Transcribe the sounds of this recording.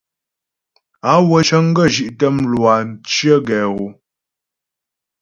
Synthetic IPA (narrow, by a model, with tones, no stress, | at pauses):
a˨˦wə˨˦ʃə˦ŋ̩˦ɡə˦˨ʒi˨ʔtə˦mlwa˨n̩˨˦t͡ʃjə˦ɡɛ˨ɣu˨